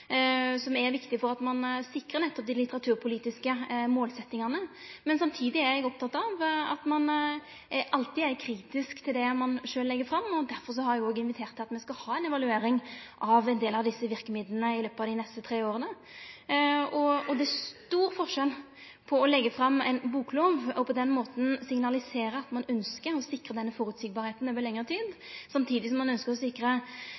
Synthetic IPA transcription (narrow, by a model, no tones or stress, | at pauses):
sɔmɛɾʋɪkt̪ɪfɔɾʁɑt̪mɑnsɪkʁənɛt̪ːɔp̚d̪ɪlɪt̪əʁɑt̪ʰʉːʁpʰʊliːt̪ɪskəmoːlsɛt̪ːɪŋɑnəmɛnsɑmt̪ʰiːd̪ɪæɾɛɡɔp̚t̪ʰɑt̪ːɑʋɑt̪mɑn | ʔɑlt̪ɪːæɾkʰɾiːt̪ɪskt̪ʰɪld̪ɛmɑnʂøːlːɛɡːəfɾɑmːɔd̪æɾfɔɾs̬ɔhɑɾjæɡoːɡəɪnʋɪt̪ʰeːʁt̪ʰːɑt̪mɛskɑhɑːɛɪnɛʋɑlʉeːɾɪŋʔɑʋɛnd̪eːlɑʋd̪ɪsːəʋɪʁkəmɪd̪lənəɪløːpəɑːʋd̪ɪnɛst̪ət̪ʰɾeːoːʁənə | ɔɔd̪ɛæst̪uːɾfɔʁʂɛl | pʰɔɔlɛɡːəfɾɑmːɛ̰ɪnbuːkloːʋɔpʰɔd̪ɛnmoːt̪n̩sɪŋnɑlɪseːɾəɑt̪mɑnœnskəɾɔsɪkʁəd̪ɛnːəfɔɾʉt̪sɪːɡ̚bɑːɾheːt̪n̩øːʋəɾlɛŋːəʁt̪ʰiːd̪sɑmt̪ʰiːd̪ɪs̬ɔmːɑnœnskəʁɔsɪkːɾə